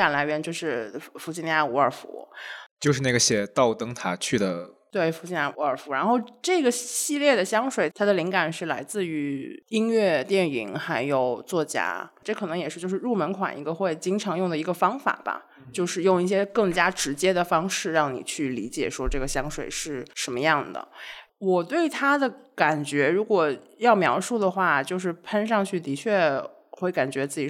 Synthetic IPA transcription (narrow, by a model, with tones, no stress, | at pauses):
a˨˩nla˧˥ɪɥɛ˧˥nt͡ɕjo˥˧ʊʂɻ̩˥˩fu˧˥ɕʰi˥nja˥˩u˧˥ə˞˨˩fṵ˧˥t͡ɕjo˥˧ʊʂɻ̩˥˧na˥˩ɡə˩ɕjɛ˨˩t̪ɑ˥˩ʊt̪ɤ˥ŋt̪ʰa˥t͡ɕʰy˥˩d̪ə̰˩t̪we˥˩ɪfu˧˥ɕi˥nja˥˩u˧˥ə˞˨˩fu˧˥ɻa˧˥nxo˥˧ʊʈ͡ʂɤ˥˩ɡə˩ɕi˥˧ljɛ˥˩d̪ə˩ɕjɑ˥ŋʂwe˨˩ɪt̪ʰa˥d̪ə˨li˧˥ŋka˨˩nʂɻ̩˥˩la˧˥ɪt͡sɹ̩˥˩y˧˥i˥nɥɛ˥˧t̪jɛ˥˩nḭ˧˥ŋxa˧˥ɪjo˨˩ʊt͡swɔ˥˩t͡ɕja̰˥ʈ͡ʂɤ˥˩kʰɤ˨˩nɤ˧˥ŋjɛ˨˩ʂɻ̩˥˧t͡ɕjo˥˧ʊʂɻ̩˥˧ɻu˥˩mə˧˥nkʰwa̰˨˩nḭ˧˥ɡə˧xwe˥˩ɪt͡ɕi˥ŋʈ͡ʂʰɑ˧˥ŋjʊ˥˩ŋd̪ə˩i˧˥ɡə˧fɑ˥ŋfa̰˨˩b̥ɐ̰˧˦ | t͡ɕjo˥˧ʊʂɻ̩˥˧jʊ˥˧ŋi˥˩ɕ̬jɛ˥kɤ˥˩ŋt͡ɕja˥ʈ͡ʂɻ̩˧˥t͡ɕjɛ˥d̪ə˨fɑ˥ŋʂɻ̩˥˧ɻɑ˥˩ŋnḭ˨˩t͡ɕʰy˥˩li˧˥t͡ɕjɛ˨˩ʂwɔ˥ʈ͡ʂɤ˥˩ɡə˩ɕjɑ˥ŋʂwe˨˩ɪʂɻ̩˥˩ʂə˧˥nmə˧jɑ˥˩ŋd̪ə̰˩ | wɔ˨˩t̪we˥˩ɪt̪ʰa˥d̪ə˨ka˨˩nt͡ɕɥɛ˧˥ɻu˧˥kwɔ˨˩jɑ˥˩ʊmjɑ˧˥ʊʂu˥˩d̪ə˩xwa˥˩t͡ɕjo˥˧ʊʂ̬ɻ̩˥˩pʰə˥nʂ̬ɑ˥˧ŋt͡ɕʰy˥˩t̪i˧˥t͡ɕʰɥɛ˥˩ | xwe˥˩ɪka˨˩nt͡ɕɥɛ˧˥t͡sɹ̩˥˩t͡ɕi˨˩